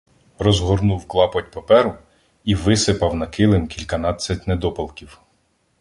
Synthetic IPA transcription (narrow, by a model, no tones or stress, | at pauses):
rɔzɦɔrnuwklˠɑpɔtʲpɐpɛɾʊ | iʋɪsɪpɐwnɐkɪlˠɪmkʲilʲkɐnɑt͡sʲːɐtʲned̪ɔpɐlˠkʲiw